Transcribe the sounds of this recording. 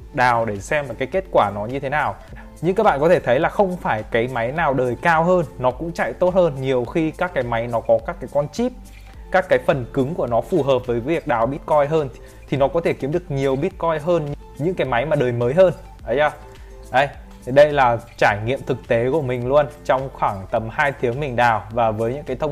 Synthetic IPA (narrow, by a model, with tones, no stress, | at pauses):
ɗaː˨˩wɗe˧˩sɛ˧mlaː˨˩kaː˨˦jke˦˥t̚kwaː˧˩nɔ˨˦ɲɨ˧e˨˦naː˨˩w | ɲɨ̰˧˥ŋkːaː˨˦˥ɓa̰ː˧˨kɔ˨˦e˧˩t̪ʰə˨˦jlaː˨˩xə˧wŋ͡mfaː˧˩jkaː˨˦jma˨˦jnaː˨˩wɗəː˨˩jkaː˧wɦəː˧nːɔ˨˦kʊ̰˧˥ŋ͡mt͡ɕa̰˧˨jt̪o˦˥t̚həː˧nɲi˨˩əwxi˧kaː˦˥kːaː˨˦jma˨˦jnɔ˨˦kɔ˨˦kaː˦˥kːaː˨˦jkɔ˧nt͡ɕi˦˥p̚ | kaː˦˥kːaː˨˦jfə˨˩nkɨ˨˦ŋku˧˩ənɔ˨˦fu˨˩ɦəː˨˩p̚vəː˨˦jvi˨˩ək̚ɗaː˨˩wɓi˦˥t̚kɔ˧jɦəː˧n | t̪ʰi˨˩nɔ˨˦kɔ˨˦t̪ʰe˧˩ki˨˦əmɗɨ˨˩ək̚ɲi˨˩əwɓi˦˥ət̚kɔ˧jɦəː˧nɲ | ɲɨ̰˧˥ŋkaː˨˦jma˨˦jmaː˨˩ɗəː˨˩jməː˨˦jɦəː˧n | ʔə˨˦jaː˧˩ | ʔə˧j | ɗə˧jlaː˨˩t͡ɕaː˧˩jŋḭ˧˨əmt̪ʰɨ˨˩k̚t̪e˨˦ku˧˩əmï˨˩ŋ̟lu˧ənt͡ɕɔ˧wŋ͡mxwaː˧˩ŋt̪ə˨˩mhaː˧jt̪ʰi˨˦əŋmï˨˩ŋ̟ɗaː˨˩wvaː˨˩vəː˨˦jɲɨ̰˧˥ŋkaː˨˦jt̪ʰə˧w